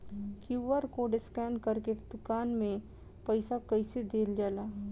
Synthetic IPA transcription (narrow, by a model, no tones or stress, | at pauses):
kjuːʋəɾkoɖɪskɛːɳɖkəɾked̪̥ʊkaːnmẽ | pəɪsakəɪsed̪eːld͡ʒaːlaː